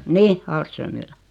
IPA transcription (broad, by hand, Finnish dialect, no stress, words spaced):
nih ɑːlstrømːilːæ